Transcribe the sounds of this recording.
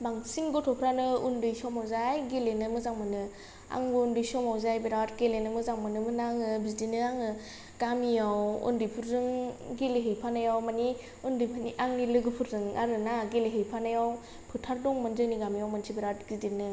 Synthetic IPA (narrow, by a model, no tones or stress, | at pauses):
baŋsiŋɡɔtʰɔpʰɾanɯundɯjsɔmawzajɡelenɯmɯzaŋmɯnɯ | a̰ŋbɯundɯjsɔmawzajbeɾatɡelenɯmɯzaŋmɯnɯmɯnaŋɯbidinɯaŋɯ | ɡ̥amijawṵndɯjpʰuɾzɯŋɡeleɦejpʰanajawmani | undɯjpʰniʔaŋnilɯɡɯpʰɯɾzɯŋaɾɯnaɡeleɦejpʰanajaw | pʰɯtʰaɾdɔŋmɯndɯniɡamijawmantʰibiɾatɡidinɯ